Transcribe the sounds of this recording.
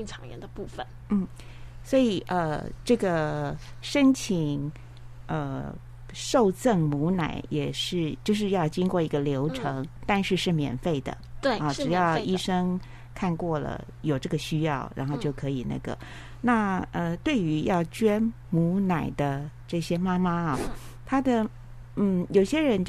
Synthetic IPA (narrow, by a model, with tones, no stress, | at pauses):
i˥˧ŋʈ͡ʂʰɑ̰˨˦ŋɛ̰˧nd̪ə˧pu˥˩fə˩˦n | n̩˥˩ | swɔ˧˥i˨˩ʔə˧ʈ͡ʂɤ˥˩ɡə˩ʂə˥nt͡ɕʰi˨˩ŋ | ə˧ | ʂo˥˧ʊt͡sə˥˩ŋmu˧˥na̰˨˩˦ɪjɛ˨˩ʂɻ̩˥˧t͡ɕjo˥˧ʊʂ̬ɻ̩˥˧jɑ˥˩ʊt͡ɕi˥ŋkwɔ˥˩i˧˥ɡə˧ljo˧˥ʊʈ͡ʂʰɤ˧˥ŋt̪a˥˧nʂɻ̩˥˧ʂɻ̩˥˩mjɛ̰˨˩nfe˥˩ɪd̪ə̰˩ɑ˥˩ʈ͡ʂɻ̩˨˩jɑ˥˧ʊi˥ʂɤ˥ŋ | kʰa˥˧nkwɔ˥˩lə̰˩ | jo˨˩ʊʈ͡ʂɤ˥˩ɡə˩ɕy˥jɑ˥˩ʊɻa̰˧˥nxo˥˧ʊt͡ɕjo˥˩ʊkʰɤ˧˥i˨˩na̰˥˩ɡə̰˩ | na˥˩ə˧t̪we˥˩ɪy˧˥jɑ˥˩ʊt͡ɕɥɛ˥n | mu˧˥na˨˩ɪd̪ə˦ʈ͡ʂɤ˥˩ɕjɛ˥ma˥ma˥ɐ˥˩t̪ʰa˥d̪ə˨ | n̩˥˩jo˨˩ʊɕjɛ˥ɻə˧˥nt͡ɕ